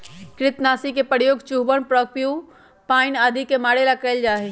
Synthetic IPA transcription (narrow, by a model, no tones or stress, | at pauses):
kɾɪt̪naːsikepəɾjoːɡt͡ʃuɦbəɳpɾɔːkju | paːɪnaːd̪ʱikemaːɽelakəɪld͡ʒaːɦe